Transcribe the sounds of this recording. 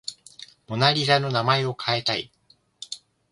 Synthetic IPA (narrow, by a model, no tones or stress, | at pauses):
mo̞naɾʲizano̞namae̞o̞kʰae̞t̪aḭ